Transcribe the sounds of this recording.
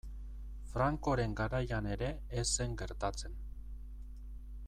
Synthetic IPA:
fɾaŋko̞ɾe̞ŋɡaɾajane̞ɾe̞ːse̞ŋɡe̞ɾt̪at͡se̞n

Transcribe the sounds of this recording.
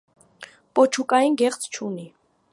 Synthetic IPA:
pʼɔt͡ʃʰukʼɑjinɡɛχt͡sʰt͡ʃʰuni

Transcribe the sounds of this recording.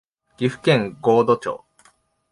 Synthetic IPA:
ɡ̥ʲiɸɯ̟̥kẽ̞ŋɡo̞ːd̪o̞t͡ɕo̰ː

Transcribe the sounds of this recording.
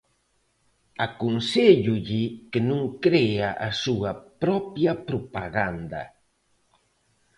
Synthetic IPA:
akunseʎuʎikenũŋkɾeaʔasuɐpɾɔpjɐpɾopaɣand̪ɐ̰

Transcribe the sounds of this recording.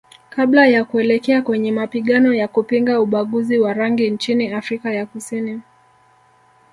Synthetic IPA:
kaɓlajakuɛlɛkɛakwɛɲɛmapiɠanɔjakupiŋɡauɓaɠuziwaɾaŋɡint͡ʃiniafɾikajakusini

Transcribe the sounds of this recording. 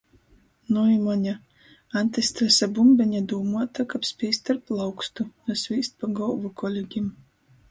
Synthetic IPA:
nujimɔɲʲa | anʲt̪ʲɛst̪ɾɛsabumbʲɛɲad̪uːmuɔt̪akapsʲpʲiːst̪aɾplˠawkst̪unɔsvʲiːst̪̚paɡɔlˠvɔkʰɔlʲeɡʲim

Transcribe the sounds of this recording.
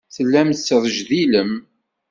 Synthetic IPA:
θəlːæmsəðˤəʒðiləm

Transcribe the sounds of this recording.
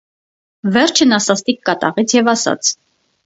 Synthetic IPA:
vɛɾt͡ʃʰənɑsɑst̪ikːɑt̪ɑ̰ʁit͡sʰjɛvɑsɑ̰t͡sʰ

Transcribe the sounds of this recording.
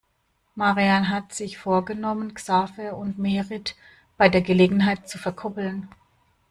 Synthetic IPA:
maʁianɦatz̥ɪçfoːɐɡənɔmənksaːfəʊntmeːʁɪt | b̥aɪdeːɐɡəleːɡŋ̩ɦaɪt̚t͡sufɛɐkʰɔpl̩n

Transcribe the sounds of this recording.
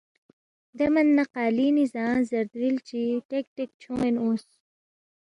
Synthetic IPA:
d̪ɐmɐnːɐqaːlinizaːnzɐɾd̪ɾilt͡ɕiʈek̚ʈek̚t͡ɕʰõenus

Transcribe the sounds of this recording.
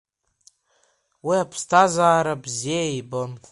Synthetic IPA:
wiapʰstʰazaːɾabziejbɨm

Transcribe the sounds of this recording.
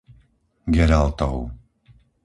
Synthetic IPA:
ɡɛɾalt̪ɔʊ

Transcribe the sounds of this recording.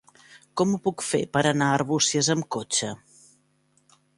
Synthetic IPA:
kɔmupukfḛpəɾənaərβusiəzəmkot͡ʃə

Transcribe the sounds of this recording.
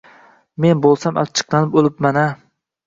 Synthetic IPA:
menbolˠsama̰pt͡ʃʰɨ̥qlˠɑnɪpolˠɪp̚mana

